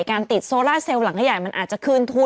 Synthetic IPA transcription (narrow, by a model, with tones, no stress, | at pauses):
jkaː˧nt̪i˨˩t̪̚soː˧laː˥˩se˧wla˩˦ŋha˥˩jaː˨˩jma˧nʔaː˨˩t̪̚t͡ɕa˨˩kʰɯː˧nt̪ʰu˧˥